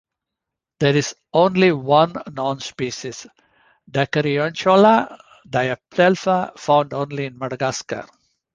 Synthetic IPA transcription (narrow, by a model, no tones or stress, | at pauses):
d̪eɾɪz | õːnliʋʌ̃nːɔ̃ːnspiːʃis | ɖakəɾiɔ̃nt͡ʃoːla | ɖajəp̚d̪elfafãʊ̃ɳɖõːnliɪ̃nmɐɖɐɡaːskə̰ɾ